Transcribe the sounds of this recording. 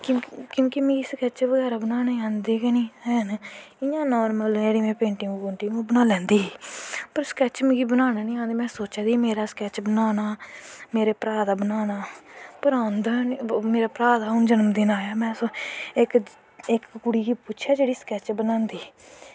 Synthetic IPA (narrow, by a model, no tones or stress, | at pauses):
kõːkjõːkimẽːɡiːskɛːt͡ʃʋəɡɛːɾaːbənaːneːãːnd̪eːkɛniːɦɛːnɪjãːnɔːɾməlneːɽiːmɛ̃ːpẽːɳʈɪ̃ŋɡɡoɳʈiːũːbənaːlɛ̃ːnd̪iːpəɾskɛːt͡ʃmɪ̃ːɡiːbənaːnaːnĩːãːnd̪eːmɛ̃ːsoːt͡ʃad̪iːmeːɾaːskɛːt͡ʃbənaːnaːmeːɾeːpɾaːd̪aːbənaːnaːpəɾãːnd̪aːnmeːɾaːpɾaːd̪aːʊnd͡ʒənəmd̪ɪnaːjaːmɛ̃ːsoɪk | ɪkːʊɽiːɡiːpʊt͡ʃʰɛːd͡ʒeːɽiːskɛːt͡ʃbənãːnd̪iː